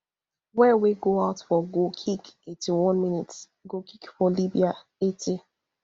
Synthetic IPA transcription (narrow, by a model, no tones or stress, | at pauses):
wɛweɡoaʊtfɔɡokʰikituwɔ̃nmĩnit | ɡokʰikfɔlibia | etʰe